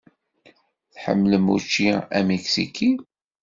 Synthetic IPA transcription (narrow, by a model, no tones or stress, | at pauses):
θħə̰mːləmṵt͡ʃːiæmeksḭkʰi